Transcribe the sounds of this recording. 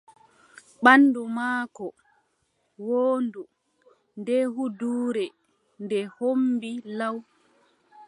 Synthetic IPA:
ɓanːdumaːkɔ | woːndu | ndɛɦuduːɾɛ | ndɛhombilaw

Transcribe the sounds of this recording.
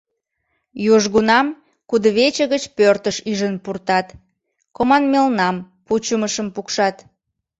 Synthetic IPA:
juʒɣunɑm | kud̪əβet͡ɕəɣət͡ɕpørt̪əʃyʒənpurt̪ɑt̪ | komɑnmelnɑm | put͡ɕuməʃəmpukʃɑt̪

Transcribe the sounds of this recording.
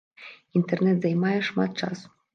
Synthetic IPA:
int̪ernet̪zɑjmɑjɤʂmɑt̪̚t͡ʃɑ̰s

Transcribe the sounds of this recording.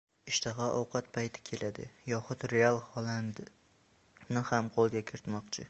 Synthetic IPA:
ɪʃt̪ʰɑʁɑʔɒ̰wqʰɑt̪̚pʰajt̪ʰɪ̥kʲʰelʔad̪ɪ̰jɒχʊt̪ɾealˠhɒlˠand̪ | nɪhamqʰolˠɡʲakʲʰɪɾɪt̪mɒqt͡ʃʰɪ

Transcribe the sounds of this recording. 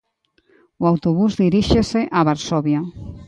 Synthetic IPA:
uawt̪oβuzðiɾiʃeseʔaβaɾsɔβja

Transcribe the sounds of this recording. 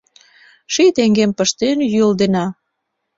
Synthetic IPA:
ʃit̪eŋɡempəʃt̪enjyəld̪enɑ

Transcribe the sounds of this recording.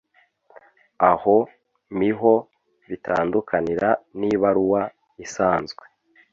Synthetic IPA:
aho | miɦo̞ | βitʰa̰ːndukʰaniɾaniβaɾuwa | isaːnzɡwe

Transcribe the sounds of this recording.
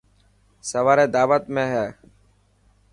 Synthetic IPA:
səʋaːɾeːd̪aːʋət̪mẽːɦɛː

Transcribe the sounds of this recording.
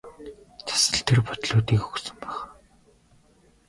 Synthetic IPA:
t͡sʰḁsə̆ɬt̪ʰerpʊt̪ɮoːt̪iːkxɵ̥ksɵ̆mpæχ

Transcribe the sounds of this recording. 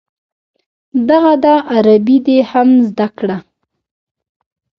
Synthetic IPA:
d̪aɣad̪ɑʔaɾabid̪ehamzd̪akɽa

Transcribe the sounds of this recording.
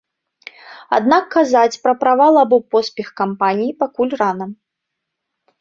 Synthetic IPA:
a̰d̪nakːazat͡sʲpɾɐpɾavalˠabɔpɔspʲɛxkampanʲijipakulʲranɐm

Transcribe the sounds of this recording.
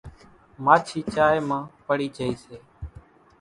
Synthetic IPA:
maːt͡ʃʰiːt͡ʃaːjmãːpəɽiːt͡ʃəiːseː

